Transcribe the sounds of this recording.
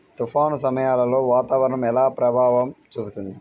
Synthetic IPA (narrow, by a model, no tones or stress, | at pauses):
t̪ufaːnusɐmɐjaːlɐlo̞ːʋaːt̪aːʋɐɾɐɳɐmɛlaːpɾɐbʱaːʋɐmt͡ʃuːbut̪und̪i